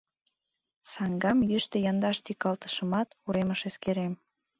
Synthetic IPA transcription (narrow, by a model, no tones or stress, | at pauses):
sɑŋɡɑmjyʃt̪ĕjɑnd̪ɑʃt̪ikːɑlt̪ə̥ʃə̆mɑt̪uɾeməʃeskeɾem